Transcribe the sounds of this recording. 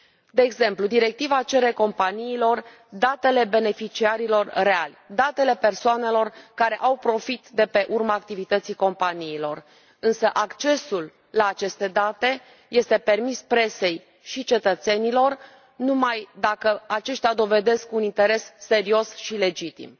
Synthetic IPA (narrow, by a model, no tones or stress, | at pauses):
d̪e̞ːɡze̞mplud̪iɾe̞k̚t̪ivat͡ʃe̞ɾe̞ko̞mpaniːlo̞r | d̪at̪e̞le̞be̞ne̞fit͡ʃiaɾilo̞rre̞alʲd̪at̪e̞le̞pe̞rsoane̞lo̞rkaɾe̞ʔawpɾo̞fit̪d̪e̞pe̞ʔurmaːk̚t̪ivit̪ət̪siko̞mpaniːlo̞r | ɨnsəʔakt͡ʃe̞sulː | aːt͡ʃe̞st̪e̞d̪at̪e̞ | je̞st̪e̞pe̞rmispɾe̞se̞j | ʃit͡ʃe̞t̪ət̪se̞nilo̞r | numajd̪akəat͡ʃe̞ʃt̪ead̪o̞ve̞d̪e̞skunint̪e̞ɾe̞sːe̞ɾio̞sʃile̞d͡ʒit̪ḭm